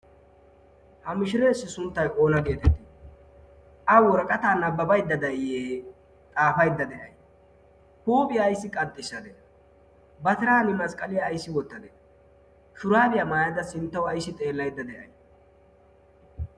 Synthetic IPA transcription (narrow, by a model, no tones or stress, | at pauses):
hɐmɪʃɪɾɛsːɪsʊnt̪ːɐjʔo̞ːnɐɡe̞ːt̪ɛt̪ːɪ | ʔɐwɔɾɐkʼɐt̪aːnɐbːɐbɐjd̪ːɐd̪ɐɪjeː | t̪ʼaːfɐjd̪ːɐd̪ɛʔɐ̰j | huːpʼɪjaːjsːɪkʼɐt̪ʼːɪsːɐd̪ɛ | bɐt̪ɪɾaːnɪmɐskʼɐlɪjɐːjsːɪwɔt̪ːɐd̪ɛ | ʃʊɾaːbɪjɐmaːjɐd̪ɐsɪnt̪ːɐwɐjsːɪt̪ʼe̞ːlːɐjd̪ːɐd̪ɛʔɐ̰j